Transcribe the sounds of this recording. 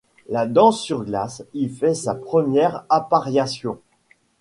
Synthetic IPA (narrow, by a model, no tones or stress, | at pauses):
lad̪ɑ̃sːyʁɡlasifɛsapχəmjɛʁapaʁjasjɔ̃